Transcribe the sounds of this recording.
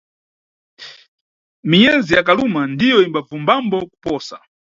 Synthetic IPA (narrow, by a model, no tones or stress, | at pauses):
mijɛzijakalumandijɔimbafumbambɔku̥pɔːsa